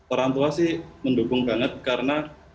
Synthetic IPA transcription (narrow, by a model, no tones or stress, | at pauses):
pəɾant̪uasɪhməndukʊŋbaŋət̪̚kaɾəna